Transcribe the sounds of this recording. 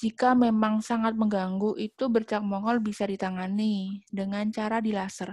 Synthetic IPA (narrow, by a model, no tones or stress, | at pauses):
d͡ʒikamemaŋsaŋat̪̚məŋɡaŋɡuʔit̪ubərt͡ʃak̚mɔŋɔlbisadit̪aŋanidəŋant͡ʃaɾadilasər